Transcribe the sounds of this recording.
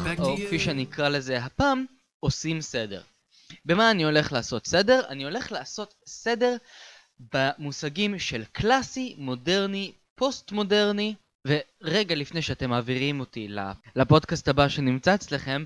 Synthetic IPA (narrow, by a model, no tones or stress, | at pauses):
okfiʃenikʁale̞ze̞ɦapaːm | osimse̞de̞̰ʁ | be̞maːnio̞le̞χlaːso̞tse̞de̞ʁa̰nio̞le̞χlaːso̞t̪se̞de̞ʁ | bamusaɡimʃe̞lklasimo̞de̞ʁni | po̞stmo̞de̞ʁni | ve̞ʁe̞ɡalifne̞jʃeate̞maːviʁimotila̰lapo̞dkasthabaʃe̞nimt͡saet͡sle̞χe̞m